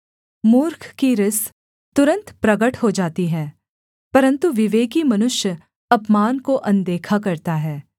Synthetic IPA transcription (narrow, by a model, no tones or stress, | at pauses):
muːɾkʰkiɾɪs | t̪ʊɾə̃nt̪pɾɐɡəʈhod͡ʒaːt̪iɦɛː | pɐɾə̃nt̪uʋɪʋeːkimɐnʊʃjə | ɐpmaːnkoʔɐ̃nd̪eːkʰakɐɾt̪aɦɛː